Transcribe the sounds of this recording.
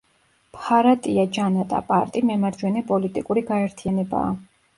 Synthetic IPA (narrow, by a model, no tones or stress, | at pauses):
pʰʼaɾat̪ʼiad͡ʒanat̪ʼa̰pʼa̰ɾt̪ʼimɛmaɾd͡ʒwɛnɛpʼɔlit̪ʼikʼuɾiɡaɛɾt̪ʰijanɛba̰ː